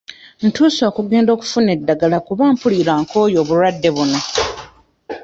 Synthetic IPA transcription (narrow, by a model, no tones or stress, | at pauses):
n̩tuːso̞ːkuɡe̞ːndo̞ːku̥fune̞dːaɡalakuβaːmpuliːɾaːŋkʰo̞ːjo̞ːβuɾwadːe̞βuno